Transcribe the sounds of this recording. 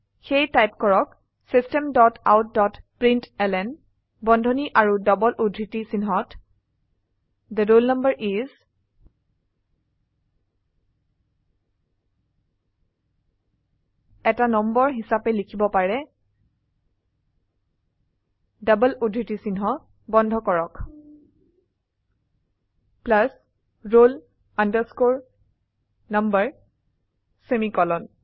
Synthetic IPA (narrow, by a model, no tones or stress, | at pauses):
xejtajpkɔɹɔk | sistɛmdɔtawt̚dɔtpɹintɛlɛn | bɔndʱɔniʔaɹudɔbɔlʔudʱɹitisinɦɔt | d̪ədolnambəɹʔiz | ɛtanɔmbɔɹɦisapɛlikʰibɔpaɹɛ | dabəludʱitisinɦɔ | bɔndʱɔkɔɹɔk | plas | ɹol | andəskoɹ | nambəɹ | semikɔlɔn